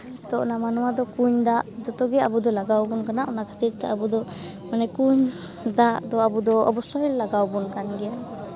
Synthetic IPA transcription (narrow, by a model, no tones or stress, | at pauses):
t̪ɔɔnamanɔwad̪ɔkuɲd̪aʔd͡ʒɔt̪ɔɡɛabud̪ɔlaɡawbunkanaʔɔnakʰḁt̪iɾt̪ɛabud̪ɔ | manɛkuɲ | d̪aʔd̪ɔabud̪ɔɔ̰bɔsɔɦillaɡawbɔnkanɡɛja